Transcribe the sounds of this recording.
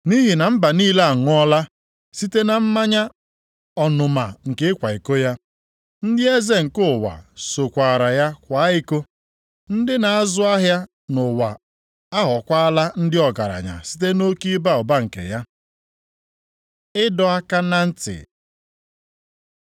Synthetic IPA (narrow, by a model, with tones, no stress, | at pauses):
ni˦ɦi˨na˨m̩˦ba˨niː˦la˦a˨ŋʊ˨˦ɔ˦la˦ | si˦te˦na˨m̩˦ma˦ɲa˦ | ɔ˨nʊ˨ma˨ŋ̩˨ke˦kʷa˨i˨ko˦ja˦ | n̩˦dɪ˦e˦ze˦ŋ̩˨kʊ˦˨wa̰˨so˨kʷa˨ɾa˨ja˦kʷa˨˦ɪ˦ko˦ | n̩˦dɪ˦na˨a˦zʊ˦a˦ɦja˦ | nʊ˨wa˨ | a˦ɦɔ˨kʷa˦a˦la˦n̩˦dɪ˦ɔ˨ɡa˨ɾa̰˨ɲa̰˨si̥˦te˦no˦ki˦ba˦ɔ˨ba˦ŋ̩˨kḛ˨ja˦ | ɪ˦dɔ˨a˦ka˦na˦n̩˦tɪ̰˨